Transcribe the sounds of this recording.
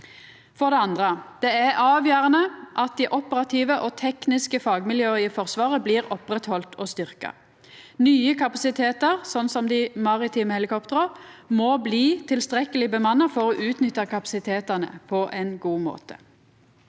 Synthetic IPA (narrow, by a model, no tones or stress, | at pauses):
fɔʁd̪ɛɑnd̪ʁəd̪̥ɛːæʔɑːʋjœːʁɑnəʔɑt̪̚d̪iːʔɔpəʁɾɑt̪ʰiːʋəʔɔt̪ʰɛknɪskəfɑːɡmɪljøːɪəfɔʁsʋɑːʁəbliːʁɔpʁɛt̪hɔlt̪ʰɔst̪ʏʁkɑ̰ | nyːəkʰɑpɑsɪt̪ʰeːt̪əʁsɔnːsɔmd̪ɪmɑʁɪt̪ʰiːməhɛlɪkʰɔpt̪əʁəʁmoːbliːt̪ʰɪlst̪ʁɛkəlɪbəmɑnːɑfɔʁɔʔʉːt̪nʏt̪ːəkɑpɑ̥sɪt̪ʰeːt̪əʁnə̰pʰɔʔɛnɡuːmo̰ːt̪ʰə̥̰